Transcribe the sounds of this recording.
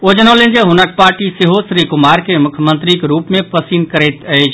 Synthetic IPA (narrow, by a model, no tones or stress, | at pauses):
od͡ʒənəlend͡ʒeɦunək̚paɾʈiseɦosɾikumaɾkemukʰjəmənt̪ɾikeɾupmepəsinkəɾɛjt̪əjt͡ʃʰ